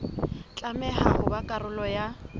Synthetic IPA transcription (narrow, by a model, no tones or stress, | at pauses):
t͡ɬʼamɛhahʊbakʼarʊlɔja